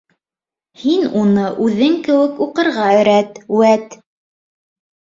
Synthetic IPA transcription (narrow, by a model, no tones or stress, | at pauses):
hinunɤʔʉðɘŋkɘ̆wɘkuqɤ̆ɾʁɑɘ̆ɾæt̪wæt̪